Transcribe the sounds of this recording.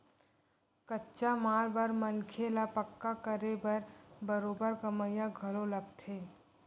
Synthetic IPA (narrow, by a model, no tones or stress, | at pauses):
kətːʃamaːlbəɾmənkʰelapəkːakəɾebɐɾbəɾoːbəɾkəməjaɡʱəloləɡt̪ʰeː